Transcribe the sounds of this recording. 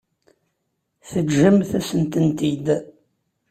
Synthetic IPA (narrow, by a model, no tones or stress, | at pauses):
θəʒəmθæsənt̪ənt̪id̪